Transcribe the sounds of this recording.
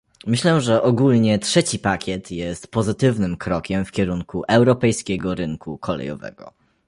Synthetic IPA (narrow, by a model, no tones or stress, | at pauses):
mɘɕlɛʐɛʔɔɡulɲɛtʂɛt͡ɕipakʲɛt̪ʰjɛst̪pɔzɘt̪ɘvnɘmkɾɔkʲɛmfkʲɛɾuŋkuʔɛwɾɔpɛjskʲɛɡɔɾɘŋkʰukʰɔlɛ̰jɔ̰vɛ̰ɡɔ̰